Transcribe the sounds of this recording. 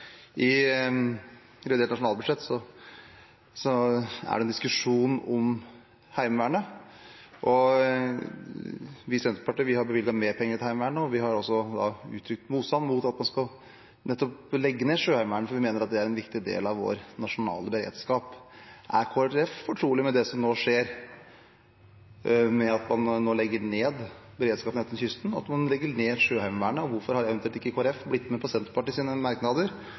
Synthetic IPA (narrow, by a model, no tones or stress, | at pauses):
ʔɪ | ɾɛʋɪd̪eːʈnɑʂʊnɑːlbʉd̪ʂɛt̪ːsɔ | sɔæ̰ɖɛnd̪ɪskʉʂuːnɔm | hæɪmʋæːɳə | ʔɔ | ʋɪsɛnt̪əpʰɑʈiːʋɪhɑɾbəʋɪlɡɑt̪meːɾpʰɛŋːəɾt̪hæɪmʋæːɳəɔʋɪɦɑɾɔsːɔd̪ɑ̰ʉ̰ːt̪ʰɾʏk̚t̪muːt̪st̪ɑnːmuːt̪ɑt̪mɑnskɑl | nɛt̪ːɔplɛɡːəneːʂøːhæɪmʋæɳəfɔɾʋɪmeːnəɾɑt̪̚d̪ɛæɾɛnʋɪkt̪ɪd̪ḛːlɑʋʋo̰ːɾnɑʂʊnɑ̰ːləbəɾḛːd̪skɑːpʔæ̰ɾkʰoːæɾɛffɔʈʰɾuːlɪmɛd̪ɛsɔmnoːʂeːɾ | mɛɑt̪mɑnnoːlɛɡːəɳeːd̪ | bəɾeːd̪skɑːpənɛt̪ənçʏst̪n̩ɑ̰t̪mɑnlɛɡːəɳeːʂøːhæɪmʋæɳəɔʋʊɾfɔɾhɑɾjæɛʋɛnʉːlt̪ɪkːəkʰoːɛɾɛfblɪt̪ːmɛpʰɑsɛnt̪pʰɑʈɪsiːnəmɑɾknɑd̪əɾ